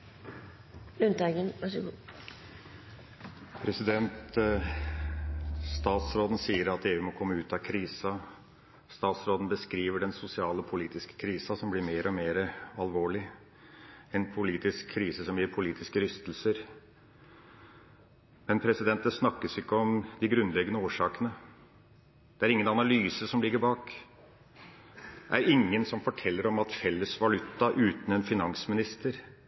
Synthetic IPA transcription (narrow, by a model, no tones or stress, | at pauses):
lʉnt̪ɑɡənʋɑʂɡu | pʰɾɛsɪd̪ɛnt̪ | st̪ɑːt̪sɾoːd̪n̩siːəɾɑt̪eːʉːmɔkʰɔmːəʉːt̪ɑkʰɾiːsɑ | st̪ɑːt̪sɾoːd̪n̩bəskɾiːʋəɖɛnsʊsɪɑːlɔpʰʊliːt̪ɪskə̥kʰɾiːsɑsɔmblɪɾmeːɾʔɔmeːɾəɑlʋoːɭɪ | ɛnpʰʊliːt̪ɪskʰːɾiːsəsɔmbjɪɾpʰʊliːt̪ɪskəɾʏst̪l̩səɾ | mɛnpʰɾɛsɪd̪ɛnt̪əsnɑkːəsɪkːəɔmd̪ɪɡɾʉnːlɛɡənəoːʂɑːkənə | d̪̥ɛæɾɪŋːənɑnɑlyːsəsɔmlɪɡəɾbɑːk | æɾɪŋːənsɔmfɔʈʰɛlːəɾɔmɑt̪fɛlːəsʋɑlʉt̪ːɑʔʉːt̪n̩ɛnfɪnɑŋsmɪnɪst̪əɾ